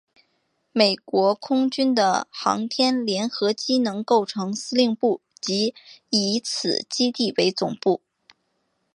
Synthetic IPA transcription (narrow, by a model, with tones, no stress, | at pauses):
me˨˩ɪkwɔ˧˥kʰʊ˥ŋt͡ɕy˥nd̪ə̰˨xɑ̰˧˥ŋt̪ʰjɛ˥nljɛ˧˥nxɤ˧˥t͡ɕi˥nɤ˧˥ŋko˥˩ʊʈ͡ʂʰɤ˧˥ŋsɹ̩˥li˥˧ŋpu˥˩t͡ɕi˧˥i˧˥t͡sʰɹ̩˨˩t͡ɕi˥t̪i˥˩we˧˥ɪt͡sʊ˨˩ŋpu˥˩